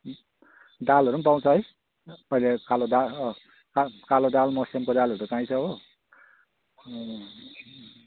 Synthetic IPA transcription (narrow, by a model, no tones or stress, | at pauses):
dalɦʌɾumpaw̃t͡sʰʌɦʌj | pʌjlekaloda | kakalodalmʌsemkodalɦʌɾut͡saĩt͡sʰʌɦo